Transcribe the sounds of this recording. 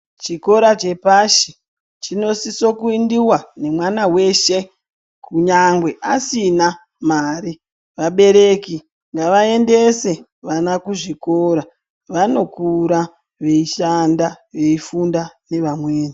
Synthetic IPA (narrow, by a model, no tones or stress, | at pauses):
t͡ʃiko̞ɾat͡ʃe̞paʃi | t͡ʃino̞siso̞kuindiwane̞mwanawe̞ʃe | kuɲaŋɡwe̞ʔasina | maːɾi | ʋaɓe̞ɾe̞ki | ŋɡaʋae̞nde̞se̞ | ʋanakuʐiko̞ɾa | ʋano̞kuɾa | ʋe̞iʃandaʋe̞ifundane̞ʋamweːna